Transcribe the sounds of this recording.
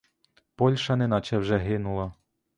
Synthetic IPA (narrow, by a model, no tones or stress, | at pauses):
pɔlʲʃɐnɛnɑt͡ʃɛwʒɛɦɪnʊlˠɐ